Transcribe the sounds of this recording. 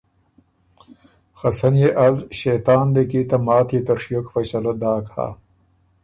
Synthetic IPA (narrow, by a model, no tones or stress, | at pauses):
xɐsɐnjeʔɐzɕeːt̪aːnlekiːt̪ɐmaːt̪ʰiːt̪ɐɾʂijokfɐɕɐlɐd̪aːkha̰